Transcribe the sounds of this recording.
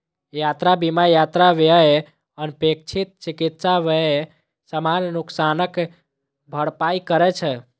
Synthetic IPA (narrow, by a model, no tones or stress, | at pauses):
jat̪ɾabimajat̪ɾaʋee | ənpek̚t͡ʃʰit̪̚t͡ʃikit̪saʋee | səmannuksanək | bʱəɽpaikəɾɛt͡ʃʰɛ